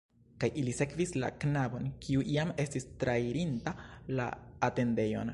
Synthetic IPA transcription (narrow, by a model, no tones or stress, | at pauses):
kajʔilise̞kvisla̰knabo̞nkʰiuʔiame̞stistɾaiɾintala̰ːte̞nde̞jo̞̰n